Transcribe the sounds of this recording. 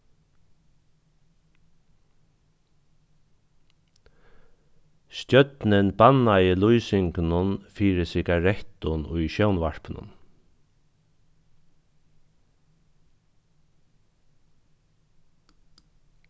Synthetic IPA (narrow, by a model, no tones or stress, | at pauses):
scœt̪nɪnbanajɪlujsɪŋknʊnfiːɾɪsɪɡaɾɛht̪ʊnʊjʃœwnʋaɹ̥pnʊ̰n